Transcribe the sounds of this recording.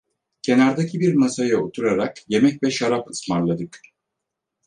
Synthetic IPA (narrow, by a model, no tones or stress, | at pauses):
cʰe̞naɾd̪acʰibiɾmasajaot̪ʰuɾaɾakje̞mɛcvɛʃaɾapɯsmaɾlˠad̪ɯk